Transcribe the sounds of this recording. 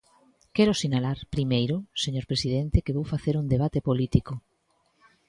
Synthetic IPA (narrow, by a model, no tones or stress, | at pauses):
kɛɾʊsinalaɾpɾimejɾʊseɲoɾpɾesiðent̪ekeβowfaθeɾuŋd̪eβ̞at̪epolit̪ikʊ